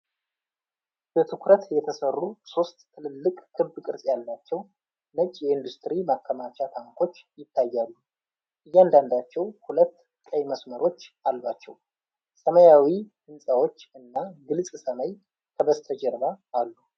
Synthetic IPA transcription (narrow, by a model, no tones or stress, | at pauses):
b̥ət̪ʰɨkɾət̪jɛt̪ʰəsərːuso̞st̪t̪ʰːɨlɨlːɨkʼkʰɨbkʼɨɾsʼjalːat͡ʃːɛw | nət͡ʃʼjɛɨnd̪ust̪ɾimakʰːəmat͡ʃat̪ʰaŋkʰo̞t͡ʃːjɪt̪ʰːajːalːu | ʔɨjːand̪and̪at͡ʃːɛwhulət̪ː | kʼəjməsməɾʔo̞t͡ʃːalbat͡ʃːɛw | səməjawihɨnsʼəwo̞t͡ʃːɨnːaɡɨlsʼsəməj | k̪ʰəβəst̪ʰəd͡ʒɛɾβaːlːu